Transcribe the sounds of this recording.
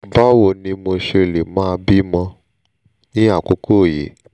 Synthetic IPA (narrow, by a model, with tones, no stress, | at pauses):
ba˦wo˨nĩ˧mo˧ʃe˧˨le˨mãː˦˧bi˦mɔ̃˧ | nĩ˦a˦˨ko˦ko˦˨je˨˦